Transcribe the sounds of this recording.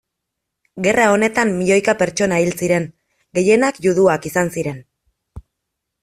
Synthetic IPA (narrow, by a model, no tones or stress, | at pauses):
ɡe̞rao̞ne̞t̪amːiʎo̞jkape̞ɾt͡ʃo̞nailsiɾe̞ŋ | ɡe̞je̞nakjuðuakisansiɾe̞n